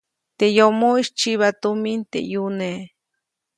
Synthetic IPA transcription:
t̪ejomoiʃt͡ʃiβat̪omint̪ḛjune

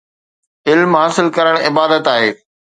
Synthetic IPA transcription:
ɪlmɦaːsɪlkɐɾəɽ̃ɪbaːd̪ət̪aːɦeː

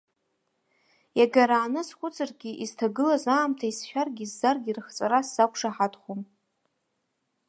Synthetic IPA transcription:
jaɡaɾaːnɨsχʷʊt͡sʰʼarɡʲiʔiztʰaɡɨlazaːmtʰaisʃᶣarɡʲizːarɡʲirχt͡sʼaɾasz̥akʷʰʂaħatʰχom

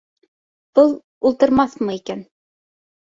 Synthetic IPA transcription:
pɤlˠ | ulˠt̪ɤ̆ɾmɑθmɤ̆ikæn

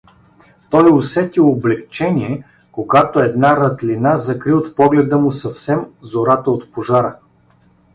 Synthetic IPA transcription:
t̪ɔjosɛt̪ioblɛk̚t͡ʃɛniɛ | koɡat̪oɛd̪naɾɐt̪linazɐkɾiot̪pɔɡlɛd̪əmʊsɐfsɛmzoɾat̪əot̪poʒaɾə

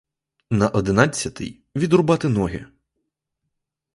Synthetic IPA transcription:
nɐʔɔd̪ɪnɑt͡sʲːɐt̪ɪ̰j | ʋʲid̪rʊbɑt̪ɪnɔɦʲɪ̰

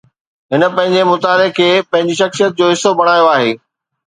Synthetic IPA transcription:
ɦɪnə̆pɐ̃ɦɪ̃ɲd͡ʑemʊt̪aːlekʰeːpɐ̃ɦɪ̃ɲd͡ʑiʃɐxsijət̪̚d͡ʑoːɦɪsobɐɽ̃aːjoaːɦeː

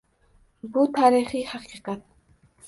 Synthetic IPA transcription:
but̪ʰaːɾiχihaqiːqɑt̪̚

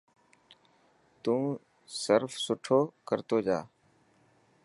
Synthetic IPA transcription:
t̪ũː | səɾfsʊʈʰoːkəɾt̪oːd͡ʒaː

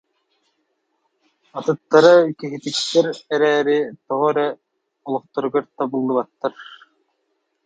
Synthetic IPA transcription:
at̪ɯt̪ːaɾɯkiɦit̪ikt̪ːɛɾɛɾɛːɾit̪ɔʁɔɾɛ | ulˠɔχt̪ɔɾɯɡɯɾt̪abulˠːɯbat̪ːaɾ

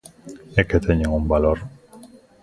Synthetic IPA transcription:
eket̪ʰeɲeŋumbaloɾ

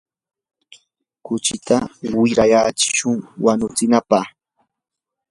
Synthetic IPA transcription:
kʊt͡ʃɪt̪awɪɾajat͡ʃɪ̥ʃʊŋwanʊt͡sɪnapaχ

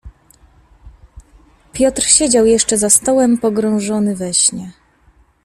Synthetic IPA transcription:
pʲjɔt̪ɾɕed͡ʑawjɛʂt͡ʂɛzast̪ɔwɛmpɔɡɾɔ̃w̃ʐɔnɘvɛɕɲɛ

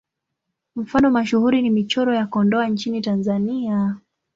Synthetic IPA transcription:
m̩fanɔmaʃuhuɾinimit͡ʃɔɾɔjakɔndɔaɲt͡ʃinitanzania

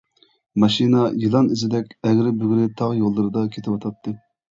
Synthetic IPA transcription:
mɑʃinɑjilˠɑnizɪd̪ɛkʲɛɡʲɾɪbyɡʲɾɪt̪ʰɑʁjolˠːɨɾɨd̪ɑkʲʰet̪ʰɪwɑt̪ʰɑt̪ʰːɨ

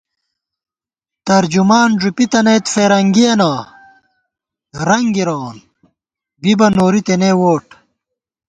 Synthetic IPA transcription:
t̪ɐɾd͡ʑumaːnʐupit̪ɐnejt̪feːɾɐŋɡijɐnaː | ɾɐŋɡiɾoːn | bibɐnoːɾit̪eneːwoːʈ

